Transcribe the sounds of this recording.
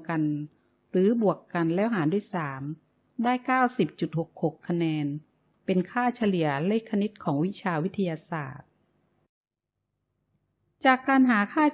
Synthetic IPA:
ka˧n | ɾɯː˩˦bu˨˩əkːa˧nlɛː˦˥wɦaː˩˦ndu˥˩əjsaː˩˦m | daː˥˩jkaː˥˩wsi˨˩p̚t͡ɕu˨˩t̪̚ho˨˩k̚ho˨˩kʰːa˧nɛː˧n | pe˧nkʰaː˥˩t͡ɕʰa˧li˩˦ɐle˦˥˩kʰːa˧ni˦˥t̪̚kʰɔː˩˦ŋwi˦˥t͡ɕʰaː˧wi˦˥t̪ʰːa˧jaː˧sa̰ː˨˩t̪̚ | t͡ɕaː˨˩kːaː˧nɦaː˩˦kʰaː˥˩

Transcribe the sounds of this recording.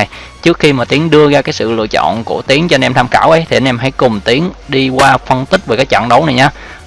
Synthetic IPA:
j | t͡ɕɨ˦˥əkxi˧maː˨˩t̪i˨˦əŋɗɨ˧əɣaː˧kaː˨˦jsɨ̰˧˨lɨ̰˧˨ət͡ɕɔ̰˧˨nku˧˩ət̪i˨˦əŋt͡ɕɔ˧nʔɛ˧mt̪ʰa˧mxaː˧˩wʔə˨˦jt̪ʰi˨˩ə˧nʔɛ˧mɦa̰˧˩jkʊ˨˩ŋ͡mt̪i˨˦əŋɗi˧kwaː˧fə˧nt̪ï˦˥k̚veː˨˩kaː˨˦jt͡ɕa̰ː˧˨ŋɗə˨˦wna˨˩jɲaː˧

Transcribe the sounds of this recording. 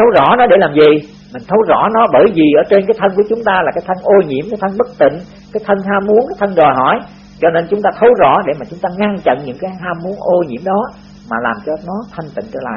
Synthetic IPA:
t̪ʰə˨˦wzɔ̰˧˩˥nɔ˨˦ɗe˧˩laː˨˩mzi˨˩ | mï˨˩ŋ̟t̪ʰə˨˦wzɔ̰˧˥nɔ˨˦ɓəː˧˩jvi˨˩ʔəː˧˩t͡ɕe˧nkaː˨˦jt̪ʰə˧nku˧˩ət͡ɕʊ˨˦ŋ͡mt̪aː˧laː˨˩kaː˨˦jt̪ʰə˧nʔo˧ɲḭ˧˩əmkaː˨˦jt̪ʰə˧nɓə˦˥k̚t̪ḭ̈˧˨ŋ̟ | kaː˨˦jt̪ʰə˧nɦaː˧mu˨˦ənkaː˨˦jt̪ʰə˧nzɔ˨˩jɦɔ˧˩j | t͡ɕɔ˧ne˧nt͡ɕʊ˨˦ŋ͡mt̪aː˧t̪ʰə˨˦wzɔ̰˧˥ɗe˧˩maː˨˩t͡ɕʊ˨˦ŋ͡mt̪aː˧ŋa˧ŋt͡ɕə̰˧˨nɲɨ̰˧˥ŋkaː˨˦jɦaː˧mu˨˦ənʔo˧ɲḭ˧˩əmɗɔ˨˦ | maː˨˩laː˨˩mt͡ɕɔ˧nɔ˨˦t̪ʰə˧ŋ̟t̪ḭ̈˧˨ŋ̟t͡ɕə̰ː˧˩la̰ː˧˨j

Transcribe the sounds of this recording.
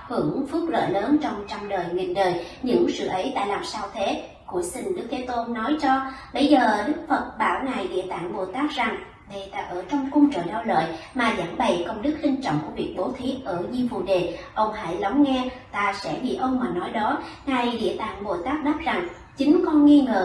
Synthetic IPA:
hɨ˧˩əŋfɨ˦˥k̚lə̰ː˧˨jləː˨˦nt͡ɕɔ˧wŋ͡mt͡ɕɔ˧wŋ͡mɗəː˨˩jŋi˨˩ŋɗəː˨˩j | ɲɨ̰˧˥ŋsɨ̰˧˨˩ʔə˨˦jt̪a̰ː˧˨jlaː˨˩msaː˧wt̪ʰe˨˦ | ku˧˩əsï˧˩ŋ̟ɗɨ˦˥k̚t̪ʰe˨˦t̪o˧nɔ˨˦jt͡ɕɔ˧ɓə˧jzəː˨˩ɗɨ˦˥k̚fə˨˩t̚ɓaː˧˩wna˨˩jɗḭ˧˨ət̪a̰ː˧˨ŋɓo˨˩t̪aː˦˥k̚za˨˩ŋ | ɗe˨˩t̪aː˧˩ʔəː˧˩t͡ɕɔ˧wŋ͡mku˧ŋ͡mt͡ɕə̰ː˧˨ɗɔ˧wlə̰ː˧˨jmaː˨˩za̰ː˧˩ŋɓə̰˧˨jkə˧wŋ͡mɗɨ˦˥k̚lï˧ŋ̟t͡ɕɔ̰˧˨wŋ͡mku˧˩əvi˨˩ək̚ɓo˨˦t̪ʰi˨˦ʔəː˧˩ɲi˧vṵ˨˩ɗe˨˩ʔə˧wŋ͡mha̰ː˧˩jla˨˦wŋ͡mŋɛ˧t̪aː˧sɛ̰˧˥ɓḭ˧˨ʔə˧wŋ͡mmaː˨˩nɔ˨˦jɗɔ˨˦ŋa˨˩jɗḭ˧˨ət̪a̰ː˧˨ŋɓo˨˩t̪aː˦˥k̚ɗaː˦˥p̚za˨˩ŋ | t͡ɕï˨˦ŋ̟kɔ˧nŋi˧ŋəː˨˩

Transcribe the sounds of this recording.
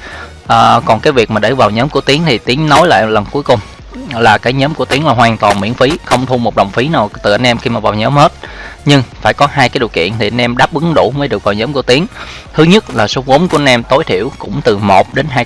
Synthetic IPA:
ʔəː˨˩kɔ˨˩nkaː˨˦jvi˨˩ək̚maː˨˩ɗe˧˩vaː˨˩wɲəː˨˦mku˧˩ət̪i˨˦əŋt̪ʰi˨˩t̪i˨˦əŋnɔ˨˦jla̰ː˧˨jlə˨˩nku˨˦əjkʊ˨˩ŋ͡m | laː˨˩kaː˨˦jɲəː˨˦mku˧˩ət̪i˨˦əŋlaː˨˩ɦwaː˨˩ŋt̪waː˨˩nmḭ˧˩ənfi˨˦xə˧wŋ͡mt̪ʰu˧mo˨˩ɗə̰˧˨wŋ͡mfi˨˦naː˨˩wt̪ɨ˨˩ʔə˧nʔɛ˧mxi˧maː˨˩vaː˨˩wɲəː˨˦mhe˦˥t̚ɲɨ˧ŋfaː˧˩jkɔ˨˦ɦaː˧jkaː˨˦jɗi˨˩əwkḭ˧˨ənt̪ʰi˨˩ʔa˧nʔɛ˧mɗaː˦˥p̚ʔɨ˨˦ŋɗu˧˩məː˨˦jɗɨ˨˩ək̚vaː˨˩wɲəː˨˦mku˧˩ət̪i˨˦əŋ | t̪ʰɨ˨˦ɲə˦˥t̚laː˨˩so˨˦vo˨˦nkəə˧nʔɛ˧mt̪o˨˦jt̪ʰi˧˩əwkʊ̰˧˥ŋ͡mt̪ɨ˨˩mo˨˩t̚ɗe˨˦nɦaː˧

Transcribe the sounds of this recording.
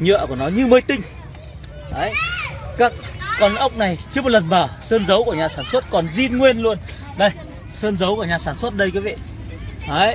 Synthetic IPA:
ɲə̰˧˨əku˧˩ənɔ˨˦ɲɨ˧mə˨˦jt̪ï˧ŋ̟ | ʔaː˨˦jkaː˦˥k̚ːɔ˨˧˩nʔə˦˥wk͡p̚na˨˩jt͡ɕɨ˨˦əm̚˨˩lə˨˩nməː˧˩səː˧nzə˨˦wku˧˩əɲaː˨˩saː˧˩nswə˦˥t̚kɔ˨˩nzi˧nŋwe˧nlu˧ən | ɗə˧˩j | səː˧nzə˨˦wku˧˩əɲaː˨˩saː˧˩nswə˦˥t̚ɗə˧jkaː˨˦vḛ˧˨ | ʔəː˨˦j

